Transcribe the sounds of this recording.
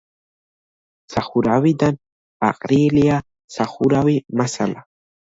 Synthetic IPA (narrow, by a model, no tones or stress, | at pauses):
saχuɾawid̪an | a̰qʼɾilia | saχuɾawimasa̰la